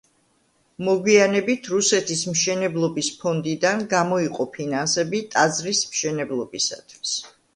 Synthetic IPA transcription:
mɔɡwianɛbit̪ʰɾusɛt̪ʰismʃɛnɛblˠɔbispʰɔnd̪id̪anɡamɔiqʼɔpʰinansɛbit̪ʼazɾismʃɛnɛblˠɔbisa̰t̪ʰwi̥s

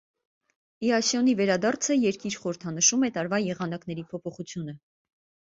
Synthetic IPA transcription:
iɑsjɔnivɛɾɑd̪ɑɾt͡sʰəjɛɾkiɾχɔɾəɾt̪ʰɑnəʃumɛt̪ɑɾvɑjɛʁɑnɑknɛɾipʰɔpʰɔχut͡sʰjunə

